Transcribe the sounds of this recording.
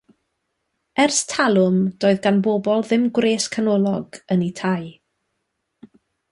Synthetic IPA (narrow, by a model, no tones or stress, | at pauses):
ɛrstʰalˠʊmd̥oːɨðɡanbɔbɔlˠðɪmɡwreːskʰanɔlˠɔɡənitʰaj